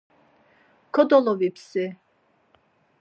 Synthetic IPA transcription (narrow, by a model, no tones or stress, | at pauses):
kʰɔd̪ɔlɔvipʰsi